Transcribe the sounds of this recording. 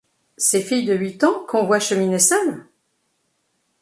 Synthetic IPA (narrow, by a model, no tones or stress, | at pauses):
sefijd̪əɥit̪ɑ̃kʰɔ̃vwaʃəminesœl